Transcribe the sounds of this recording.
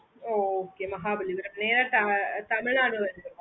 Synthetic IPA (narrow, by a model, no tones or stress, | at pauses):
oːkeːmɐɦaːbɐliʋɐɾɐmneːɾɐt̪ɐt̪ɐmɪɭnaːnɯʋɐɾɯɯ̃